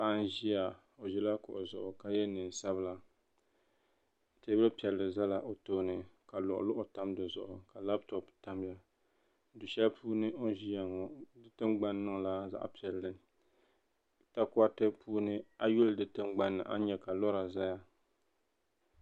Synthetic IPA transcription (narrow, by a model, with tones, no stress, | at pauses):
pa˦ʔn˦ʒi˦ja˨ | o˨ʒɪ˦la˦kʊ̰˨ʔʊ˨zʊ˨ʔʊ˨ka˨jɛ˦nɨ˨n˨sa˦bɨ˦la˦˨ | te˦bɨ˦lɨ˦pi˨ɛ˨llɨ˨za˦la˨ʔo˨toː˦nɨ˨ka˨lʊ˨ʔʊ̰˨lʊ˦ʔʊ˨ta˦mdɨ˨zʊ̰˨ʔʊ˨ka˨la˦btɔ˨pta˦m˦ja˦ | dʊ˨ʃɛ˦lpʰuː˦nɨ˦ʔo˦ʒi˦ja˨ŋɔ˨dɨ˦tɨ˦mɡ͡ba˦nːɨ˦ŋ˨la˦za̰˦ʔpi˨ɛ˨lːɨ˨ | ta˦kʊ˦a˦te˦pʰuː˦nɨ˦a˦jʊ˦ldɨ˦tɨ˦mɡ͡ba˦nːɨ̰˨ʔa̰˦ɲɛ˨ka˨lɔ˦ɾa˨za˦ja˦